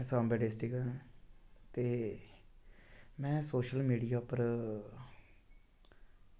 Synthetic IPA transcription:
sãːmbɛːɖɪsʈiɡən | t̪eː | mɛ̃ːsoːʃəlmiːɖijaːpəɾ

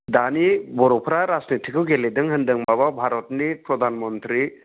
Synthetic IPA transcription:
d̪anibɔɾɔpʰɾaɾad͡ʒnitʰikʰɯɡeledɯŋɦɐndɯŋmababʱaɾɔtnipɾɔd̪ʱanmɔnt̪ɾi

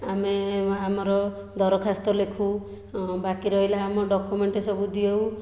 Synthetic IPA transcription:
ameamɔɾɔ | d̪ʱɔɾɔkʰast̪ɔlekʰu | bakiɾɔɦilaːmɔɖɔkumeɳʈesɔbud̪iew

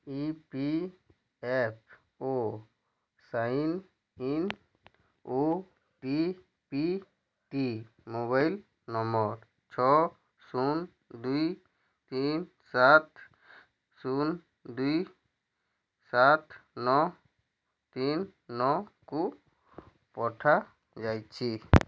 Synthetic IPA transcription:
ipi | ɛp̚ʰ | o | sain | in | o | ʈi | pi | ʈi | moβail | nɔmɔɾ | t͡ʃʰɔ | sun | d̪uj | t̪in | sat̪ʰ | sun | d̪uj | sat̪ʰnɔ | t̪inːɔku | pɔʈʰa | d͡ʒajt͡ʃʰi

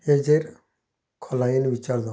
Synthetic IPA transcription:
ed͡zeɾ | kʰɔlainʋit͡ʃaɾd̪ɔ

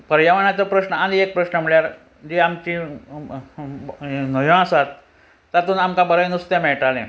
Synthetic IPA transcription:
pəɾjaʋaɳjat͡səpɾəɕnəaniek̚pɾəɕnəm̤iɭjaɾ | d͡ʑiamt͡ɕi | nəjõasat̪ː | at̪uːnamkãbəɾəjnust̪jamɛɭʈalḛ̃

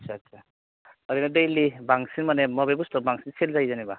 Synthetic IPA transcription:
sʰasʰa | ʌɾinadejlibaŋsinmanemɔbebustɔbaŋsinselzajzaniba

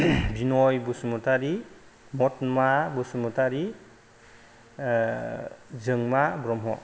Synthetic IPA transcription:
binɔjbusumutaɾi | mɔtmabusumutaɾi | zɯŋmabɾɔmɦɔ̰

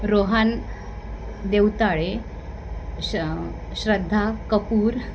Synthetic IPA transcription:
ɾoɦan | d̪ewt̪aɭe | ɕɾəd̪ʱːakəpuːɾ

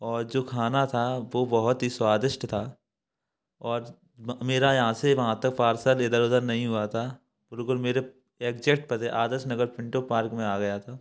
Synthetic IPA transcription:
ɔːɾd͡ʒoːkʰaːnat̪ʰaʋoːbɐɦʊt̪ɦiswaːd̪ɪʃʈt̪ʰaː | ɔːɾ | meːɾajɐɦãseʋɐɦãt̪ɐkpaːɾsəled̪əɾoːd̪əɾnɐɦĩɦuat̪ʰaː | b̥ɪlkʊlmeːɾe | eːk̚d͡ʒekʈ̚pɐt̪eʔaːd̪əɾʃnɐɡəɾpɪ̃ɳʈopaːɾkmẽaːɡɐjat̪ʰaː

